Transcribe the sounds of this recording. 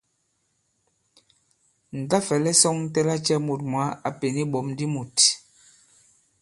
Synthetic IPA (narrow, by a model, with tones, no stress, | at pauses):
n̩˨ta˦fɛ˨lɛ˦sɔ˦ŋ˦tɛ˦la˦t͡ʃɛ˦mu˨t̚mwa˨˦a˨pe˨ni˦ɓɔ˨˦mdi˦mu˨t